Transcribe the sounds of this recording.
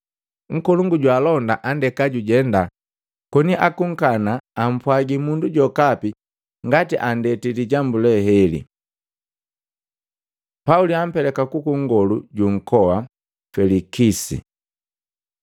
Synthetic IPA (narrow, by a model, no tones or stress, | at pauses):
ŋ̩kɔluŋɡuɟwalɔndaʔandɛkaɟuɟɛnda | kɔniʔakuŋ̩kanaːm̩pwaɡimunduɟɔkapi | ŋɡatiʔandɛtiliɟambulɛhɛlḭ | pauliam̩pɛlɛkakukuŋɡɔluɟuŋ̩kɔwa | fɛlikisḭ